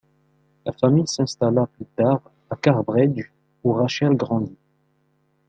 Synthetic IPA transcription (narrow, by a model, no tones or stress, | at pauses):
lafamijsɛ̃st̪alaplyt̪aʁ | akaʁbʁɛd͡ʒ | uʁaʃɛlɡʁɑ̃d̪i